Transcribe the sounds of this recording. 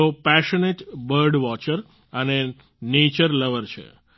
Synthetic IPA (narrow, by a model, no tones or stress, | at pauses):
opɛʃəneʈbəɾɖʋɔt͡ʃəɾ | əne | net͡ʃəɾləʋəɾt͡ʃʰḛ